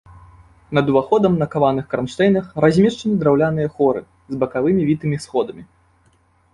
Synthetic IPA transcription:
nɐd̪uvaxɔd̪ɐmnɐkavanɨxkɾanʂt̪ɛjnɐxɾazʲmʲɛʂt͡ʂɐnʲid̪ɾawlʲanɨjɐxɔɾɨ̰ | zbɐkavɨmʲivʲit̪ɨmʲisxɔd̪ɐmʲi

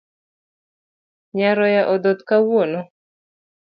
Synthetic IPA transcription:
ɲaɾɔjaʔɔd̪ɔt̪kawwonɔ

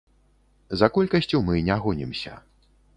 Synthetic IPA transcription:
zɐkɔlʲkɐsʲt͡sʲumɨnʲaɣɔnʲḭmsʲɐ̰

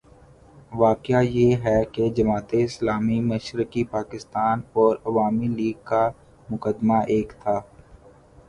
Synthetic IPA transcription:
ʋaːkjajeːɦɛked͡ʒɐmaːt̪eɪslaːmimɐʃɾɪkipaːkɪst̪aːnɔːɾɐʋaːmiliːɡ̚ka | mʊkəd̪maʔeːkt̪ʰaː

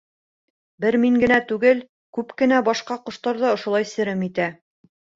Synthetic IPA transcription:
bɘɾmiŋɡɘ̆næt̪ʉɡɘl | kʉpkɘ̆næbɑʃqɑqŏʃt̪ɑɾðɑŏʃŏlˠɑjsɘ̆ɾɘmit̪æ

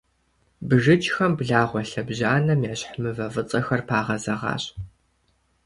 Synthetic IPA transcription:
bɨʒɨt͡ʃʼxɐmbɮaːʁʷɔɬɐbʑaːnɐmjaːɕħmɨvɐvɨt͡sʼɐxɐrpʰaːʁɐzɐʁɑ̰ːɕ

